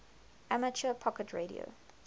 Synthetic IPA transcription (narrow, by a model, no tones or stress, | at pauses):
amət͡ʃəpʰɔkətʰɹeːɾḭo̰